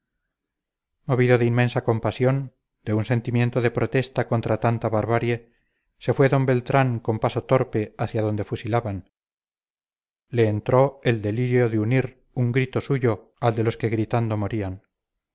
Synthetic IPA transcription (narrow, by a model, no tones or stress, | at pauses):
mo̞βiðo̞ðeinmẽ̞nsako̞mpasjo̞n | d̪̥eunse̞nt̪imje̞nt̪oðe̞pɾo̞t̪e̞st̪ako̞nt̪ɾat̪ant̪aβaɾβaɾje | se̞fweðo̞mbe̞lt̪ɾaŋko̞mpaso̞t̪o̞ɾpe̞aθjaðo̞nd̪e̞fusilaβan | le̞ːnt̪ɾo̞e̞ld̪e̞liɾjo̞ðeuniɾ | uŋɡɾit̪o̞suʝo̞ | ald̪e̞lo̞ske̞ɣɾit̪and̪o̞moɾian